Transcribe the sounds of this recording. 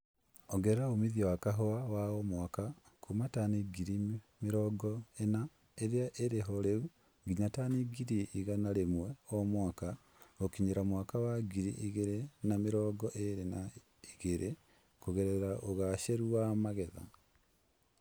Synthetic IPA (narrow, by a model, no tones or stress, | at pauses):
ɔɡɛɾɛɾaomiðiawakaɦɔawaɔmwaka | kʰumataniɡiɾi | meɾɔːɡɔena | eɾeaʔeɾeɦɔɾeu | ɡiɲataniɡiɾiːɣanaɾemwɛɔmwaka | okiɲeɾamwakawaɡiɾiʔiɣeɾenameɾɔːɡɔʔeɾena | iɣeɾʔe | koɣɛɾɛɾaʔoɣaʃeɾuamaɣɛða̰